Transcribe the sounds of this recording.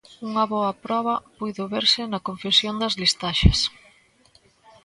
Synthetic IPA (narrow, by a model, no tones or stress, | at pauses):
uŋɐβɔɐpɾɔβ̞ɐpujðoβeɾsɪnɐkoɱfesjond̪ɐzlist̪aʃɐ̰s